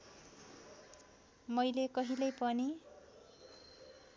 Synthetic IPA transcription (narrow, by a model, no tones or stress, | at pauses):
mʌjlekʌɦilʌjpʌni